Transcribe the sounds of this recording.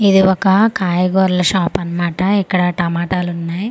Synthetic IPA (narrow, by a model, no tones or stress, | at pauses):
id̪iɔkɐkaːjɐɡoːɾlɐʃaːpɐnɐmaːʈɐikːɐɽɐʈɐmaːʈaːlunːaːji